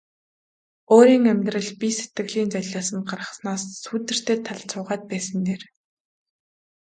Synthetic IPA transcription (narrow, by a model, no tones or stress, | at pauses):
oːɾiːŋæmʲt̪rə̆ɮpise̥t̪ɡɘ̆ɣɮiːnt͡sœɮaːsə̆nɢarʁə̆χsnaːsːuːt̪ɘ̆r̥t̪ʰeːt̪ʰaɮt͡sʊːʁaːt̪̚pæːsə̆nt̪eːr